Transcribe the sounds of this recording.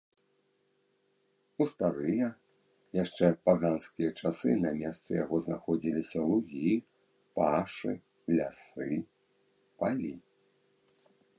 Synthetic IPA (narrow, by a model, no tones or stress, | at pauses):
ust̪aɾɨjɐ | jaʂt͡ʂɛpaɣanskʲijɐt͡ʂasɨnɐmʲɛst̪sɐja̰ɣɔzna̰xɔd͡zʲilʲisʲɐlˠuɣʲi | paʂɨ | lʲa̰sɨ | palʲi